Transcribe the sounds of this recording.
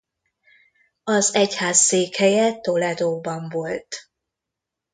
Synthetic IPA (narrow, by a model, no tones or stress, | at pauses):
ɒzɛchaːsːeːkhɛjɛt̪o̞lɛd̪oːbɒɱvo̞lt̪